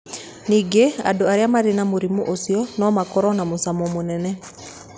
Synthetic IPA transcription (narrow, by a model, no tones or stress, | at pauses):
niɡea̰doaɾeamaɾenamoɾimuʔosiɔnɔmakɔɾɔnamosamomonɛnɛ